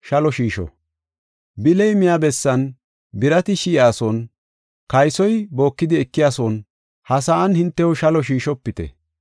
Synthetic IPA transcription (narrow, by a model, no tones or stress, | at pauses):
ʃɐlɔʃiːʃɔ̰ | bɪlɛjmɪjabɛsːɐn | bɪɾɐt̪ɪʃiːaːsɔn | kɐjsɔjbo̞ːkːɪd̪ɪɛkːɪjaːsɔn | hɐsaʔɐnhɪnt̪ːɛwɔʃɐlɔʃ̬iːʃɔpːɪt̪ɛ̰